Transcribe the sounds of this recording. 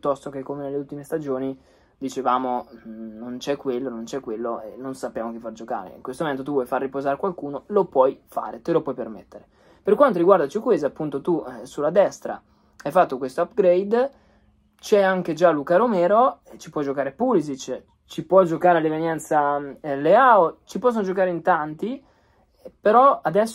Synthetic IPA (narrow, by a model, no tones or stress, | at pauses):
t̪ːɔst̪ok̟ekːomenelːeult̪imest̪ad͡ʒoːni | d̪it͡ʃevaːmonont͡ʃɛkːwelːonont͡ʃɛkːwelːoenːonsapːjaːmok̟ifard͡ʒoka̰ːɾḛḭŋkwest̪omoment̪ot̪uvwɔjfarːipozaːɾekwalkuːnolopwɔjfa̰ːɾet̪elopwɔjpermḛt̪ːeɾe | perkwant̪oɾiɡward̪at͡ʃiukwezapːunt̪ot̪usulːad̪ɛst̪ɾa̰ | ajfat̪ːokwest̪oapɡɾejd̪ | t͡ʃɛaŋked͡ʒalukaɾomɛːɾot͡ʃipwɔd͡ʒokaːɾepulizit͡ʃ | t͡ʃipwɔd͡ʒokaːɾelevenjɛnt̪saleaot͡ʃipɔsːonod͡ʒokaːɾeint̪ant̪i | peɾɔad̪ɛsː